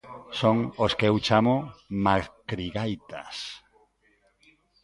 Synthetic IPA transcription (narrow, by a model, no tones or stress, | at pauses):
soŋoskewt͡ʃamʊmakɾiɣajt̪a̰s